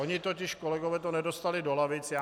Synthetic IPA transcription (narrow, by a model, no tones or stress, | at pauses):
oɲɪt̪ocɪʃkolɛɡovɛːt̪onɛdost̪alɪdolavɪt͡sjaː